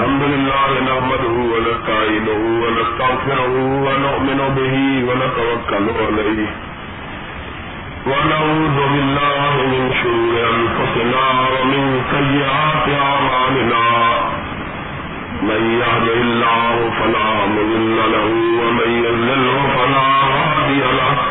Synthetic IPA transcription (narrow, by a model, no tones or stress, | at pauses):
hamd̪ʊlɪlːaːhɪnahmad̪uhuwanataʕɪnʊhuwanast̪aɣfɪɾʊhʊwanʊʔmɪnʊbɪhiwanatawakːalʊʔɔlahi | wanauːd̪ʊbɪlːaːɦɪmɪnʃʊɾuːɾɪamfʊsɪnaːwamɪnsajːɪʔaːt̪ɪamaːlɪnaː | manjahd̪ɪɪlːaːhʊfalaːmʊðˤɪlːalahʊwamanjazɪlːʊhfalaːhadiala